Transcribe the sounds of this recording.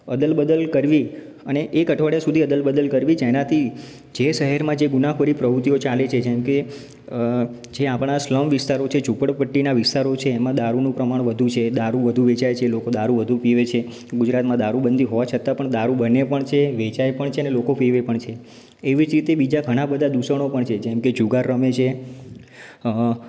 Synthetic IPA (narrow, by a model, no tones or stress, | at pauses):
əd̪əlbəd̪əlkəɾʋi | əneʔekəʈʰʋaɽjasud̪ʱiəd̪əlbəd̪əlkəɾʋid͡ʒenat̪ʰi | d͡ʒeʃəɦɛɾmãd͡ʒeɡunapʰəɾipɾəʋɾut̪ijot͡ʃalet͡ʃʰed͡ʒɛ̃mke | d͡ʒeapɽ̃asləmʋɪst̪aɾot͡ʃʰet͡ʃupəɽpəʈːinaʋɪst̪aɾot͡ʃʰeːmãd̪aɾunũpɾəmaɳ̃ʋəd̪ʱut͡ʃʰed̪aɾuʋəd̪ʱuʋet͡ʃajt͡ʃʰelokod̪aɾuʋəd̪ʱupiʋet͡ʃʰe | ɡud͡ʒɾat̪mãd̪aɾubənd̪ʱiɦoʋat͡ʃʰət̪apəɳd̪aɾubənepəɳt͡ʃʰeʋet͡ʃajpəɳt͡ʃʰeənelokopiʋepəɳt͡ʃʰeː | ʋid͡ʒɾit̪ebid͡ʒaɡʱəɽ̃ãbəd̪ʱad̪usəɽ̃opəɳt͡ʃʰed͡ʒɛmked͡ʒuɡaɾːəmet͡ʃʰe